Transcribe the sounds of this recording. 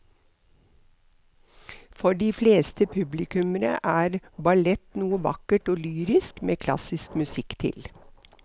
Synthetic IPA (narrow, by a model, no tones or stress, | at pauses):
fɔɖiːfleːst̪əpʰʉblɪkʉmənə̰ʔæːɾbɑlɛt̪nuːəʋɑ̰kəʈoːlyːɾɪskmeːkʰlɑ̰sɪskmʉsɪkt̪ʰɪ̰l